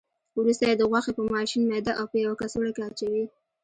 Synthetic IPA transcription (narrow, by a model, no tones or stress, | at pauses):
wɾust̪ajed̪əɣwɑxepəmɑʃinmed̪aʔawpəjawakasoɽakeat͡ʃawi